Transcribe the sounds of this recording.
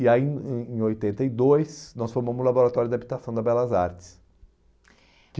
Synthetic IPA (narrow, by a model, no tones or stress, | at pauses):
iaĩẽj̃ojt̪ẽnt̪ɐid̪ojsnɔsfoɾmɐ̃mʊzlaboɾat̪ɔɾʊd̪abit̪asɐ̃w̃d̪ɐbɛlɐzaɾt͡ʃɪ̥s | kɪ